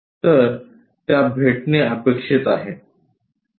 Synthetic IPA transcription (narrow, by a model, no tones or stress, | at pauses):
t̪əɾ | t̪jabʱeʈneəpekʂit̪aɦe